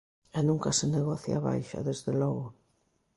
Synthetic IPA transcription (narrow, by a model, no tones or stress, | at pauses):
ɛnũŋkaseneɣɔθja̰aβa̰jʃa̰ðezðelɔɣʊ